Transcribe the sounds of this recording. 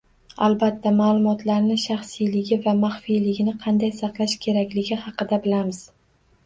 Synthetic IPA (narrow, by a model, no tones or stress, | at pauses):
alˠbat̪ʰːamaːlˠʊmɒt̪ʰlaɾnɪʃɑχsijlɪɡʲɪvamaχfijlɪɡʲɪnɪqʰɑnd̪ajsɑqlˠaʃkʲʰe̞ɾakʲlɪɡʲɪhɑqɨd̪abɪlamɪz̥